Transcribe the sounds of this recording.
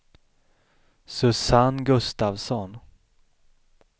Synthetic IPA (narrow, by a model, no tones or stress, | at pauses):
sɵsanɡɵst̪avsɔn